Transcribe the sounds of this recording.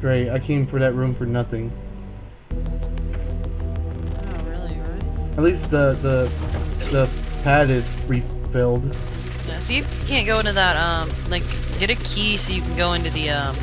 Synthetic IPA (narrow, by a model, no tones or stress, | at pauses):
ɡ̥ɹeɪtaɪkʰẽɪ̃ɱfɹə̃˞ðɨt̚ɹʉ̃ɱfə˞nʌθɪ̃ŋ | oɹɪlˠiɨtˡlist̪̚ðəðə | ðəpʰæɾɪz̥fʰɹi | fɪlˠd̥ | jæsoʊjɨ | kʰæ̃nɡ̥oʊɪ̃ntʉðət̚ʌ̃mlaɪk | ɡ̥ɛɾɨkʰisoʊjɨkʰn̩ɡoʊɪ̃ntʉðɨʌ̃m